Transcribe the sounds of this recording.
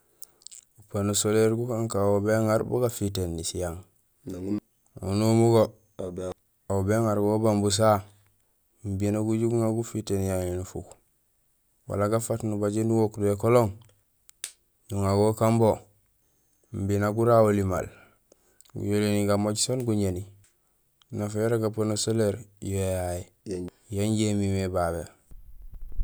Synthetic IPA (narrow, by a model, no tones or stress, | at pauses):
upanusoleɾɡukaŋkaobeŋaɾbo̰ɡafitenːisijaŋ | a̰unumuɡo | aobeŋaɾɡobambus̬a | m̩binaɡuɟuɡŋaɡufitenjainufṵk | wa̰laɡafatnubaɟenuɡokduekoloŋ | nuŋaɡokambo | m̩binaɡuɾawolima̰l | ɡṵjoliniɡamoɟsonɡuɲeni | nafajoɾaɡaponoseleɾjejaji | janɟemimebaβe